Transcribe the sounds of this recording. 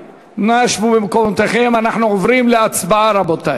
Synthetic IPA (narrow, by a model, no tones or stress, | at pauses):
naʃvubemkomt̪eχemanaħnuovɾimleat͡sbaaɾabot̪a